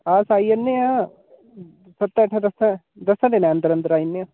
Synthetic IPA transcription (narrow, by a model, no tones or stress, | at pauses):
aːsaːiənːeã | sɐb̚t̪ɛːʈʰãd̪əsã | d̪əsãd̪eːnãənt̪əɾənt̪əɾaːinːeã